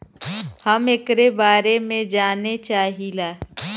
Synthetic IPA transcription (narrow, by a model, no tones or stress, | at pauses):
həmekɾebaːɾemẽd͡ʒaːnet͡ʃaːɦilaː